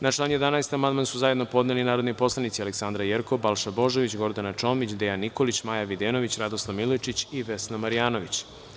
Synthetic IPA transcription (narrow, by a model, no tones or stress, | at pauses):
nat͡ʃlˠanje̞d̪anaest̪amand̪mansuzaje̞d̪no̞po̞d̪nelinaːɾo̞d̪nipo̞slˠanit̪sialeksand̪ɾajeɾkobalˠʃabo̞ʒoʋit͡ɕɡo̞ɾd̪anat͡ʃo̞mit͡ɕd̪ejanːiko̞lit͡ɕmajaʋid̪eːno̞ʋit͡ɕɾad̪oslˠaʋmilot͡ʃit͡ɕiʋesnamaɾijaːnoʋit͡ɕ